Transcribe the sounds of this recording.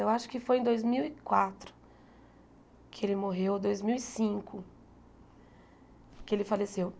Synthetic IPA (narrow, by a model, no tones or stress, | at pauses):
ewaʃʊ̥kɪfojẽd̪ojzmiwikwat̪ɾʊ̥ | kʰɪelɪmoɦewd̪ojzmiwisĩkʊ | kɪelɪfalesew